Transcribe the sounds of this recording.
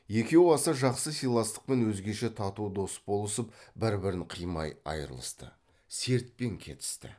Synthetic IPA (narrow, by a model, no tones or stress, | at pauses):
je̞kʲe̞wɑsɑʒɑqsəsʲijlˠɑst̪ə̥q̚pe̞nwɵzɡʲe̞ʃe̞t̪ʰɑt̪ud̪o̞sbo̞lˠəsəpbɪɾbɪɾɪɴqʰijmɑ̰jɑ̰jəɾəlˠə̰st̪ə̰ | se̞ɾt̪̚pe̞ŋkʲʰe̞̰t̪ɪ̥st̪ɪ̰